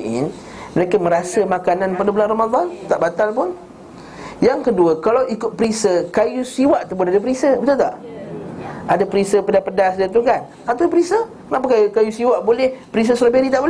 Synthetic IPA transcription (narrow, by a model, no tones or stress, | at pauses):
n | məɾekəmə̃ɾasəmakananpadabulanramad̪ˤɑnt̪aʔbat̪alpʊn | jaŋkəduəkalawikʊt̪̚pɾisəkajusiwaʔt̪up̬ʊnadapəɾisəbət̪ut̪aʔ | adapəɾisəpədapədasdət̪̬ukan | at̪upəɾisə | naʔp̬əkajukajusiwaʔbolɛhpəɾis̬əsɾabeɾit̪aʔbol